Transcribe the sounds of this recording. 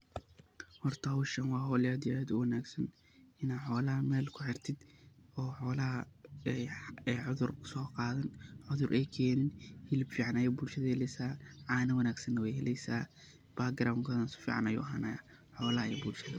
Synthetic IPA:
hɔrt̪ʰɐʊʃɐnwɑːɦɔːlɪaːd̪ɪjaːd̪ʊwɐnaːɡsɐn | ɪnaħɔːlɐɦɐmɛːlkʰʊħɪrt̪ʰɪd̪ɔːħɔːlɐɦɐɛɛːʕʊðʊrkʰʊ̥sɔːqɑːðɐnʕʊðʊrʔɛjkʰɛːnɪnhɪlɪbfiːʕɑnɐjɛbʊlʃɐðɐhɛlɛjsaːʕɑːnɐwɐnaːɡsɐnːɐwɛjɦɛlɛjsaː | b̥aɡɐɾaːwŋkʰɔːðɐnsʊ̥fḭːʕɑ̰nɐjʊ̰ːɦaːna | ħɔːlɐɦɐɛːbulʃɐðɐ

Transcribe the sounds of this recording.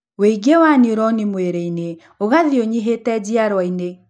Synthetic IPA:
weiɡewaniɾɔnimweɾeine | oɣaðioɲiɦetɛd͡ʑiaɾwaine

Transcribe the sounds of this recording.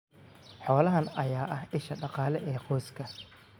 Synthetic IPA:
ħɔːlɐɦɐnɐjaːʔɐhɪʃɐɖɑqɑːlɛʔɛːqɔːskʰɐ

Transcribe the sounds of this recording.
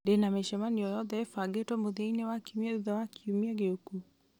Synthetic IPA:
denameʃɛmaniɔjɔðɛɛfaɡetwɔmoðeinewakiumiɛðuðɛwakiumiɛɣeoku

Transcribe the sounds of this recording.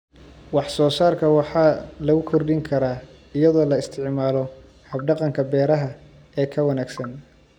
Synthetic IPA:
wɑħsɔːsaːrkʰɐwɑħɑːlɐɣʊkʰɔrdɪŋkʰɐɾaː | ɪjɐðɔːlɐɪst̪ʰɪʕmaːlɔ | hɐb̚ɖɑqɑŋkʰɐbɛːɾɐɦɐ | ɛːkʰɐwɐnaːɡsɐn

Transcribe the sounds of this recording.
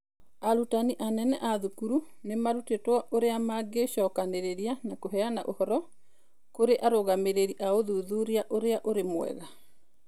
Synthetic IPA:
aɾutaniʔanɛnɛʔaðukuɾu | nemaɾutetwaʔoɾeamaɡeʃɔːkaneɾeɾianakoɦɛanaʔohɔɾɔ | koɾeʔaɾoɣameɾeɾiʔaoðuðuɾiaʔoɾeaʔoɾemwɛ̰ɣa

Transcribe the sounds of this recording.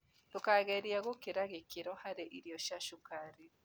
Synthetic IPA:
tukaɣeɾijaɣokiɾaɣikiɾohaɾeʔiɾijoʃaʃukaɾi

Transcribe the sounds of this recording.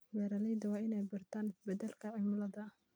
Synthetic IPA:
wɛːɾɐlɛjd̪ɐwɑːʔɪnɛjbɐrt̪ʰaːnɪsbɛd̪ɐlkʰɐʕɪmɐlɐðɐ

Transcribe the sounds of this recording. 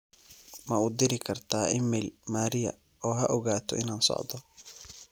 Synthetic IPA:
mɐud̪ɪɾɪkʰɐrt̪ʰaːʔɪmːɛlmaːɾɪjɐ̰ | ɔːɦɐʔɔɣaːt̪ʰɔ̰ʔɪnaːnsɔ̰ʕd̪ɔ

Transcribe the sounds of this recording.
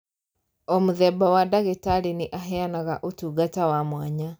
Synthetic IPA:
omuðɛbawadaɣetaɾinɪʔaɦɛanaɣaʔotuɡatawamwaɲa

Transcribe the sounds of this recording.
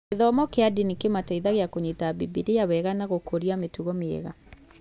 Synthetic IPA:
eðɔmɔkeadinikemataiðaɣeakoɲetabibiɾejawɛɣanaɣokʰoɾiametuɣɔmeḛɣa

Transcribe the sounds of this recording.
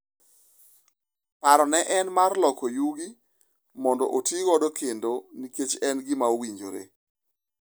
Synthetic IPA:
paɾɔnɛʔɛnmarlɔkɔjuɡi | mɔndɔ̰ʔotiɡɔdɔkʰendoniket͡ʃɛnɡɪmaowiɲd͡ʒoɾḛ

